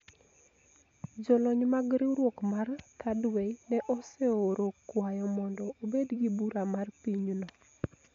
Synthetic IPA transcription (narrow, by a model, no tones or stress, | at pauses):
d͡ʒɔlɔɲmaɡɾiɾwokmart̪ʰadwɛnɛʔɔseoɾokwajɔmɔndɔobedɡibuɾamarpiɲnɔ